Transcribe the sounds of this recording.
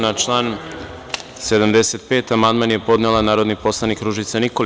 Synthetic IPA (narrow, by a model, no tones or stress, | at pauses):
nat͡ʃlˠaːn | se̞d̪amd̪e̞set̪pe̞ːt̪amand̪manjepo̞d̪nelˠanaːɾo̞d̪nipo̞slˠanikɾuʒit̪sanikol